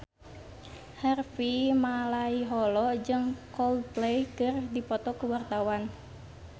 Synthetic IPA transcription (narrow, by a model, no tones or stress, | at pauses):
hɛrfimalaiɦɔlɔd͡ʒɨŋkɔlplejkɨrdipɔt̪ɔkəwart̪awan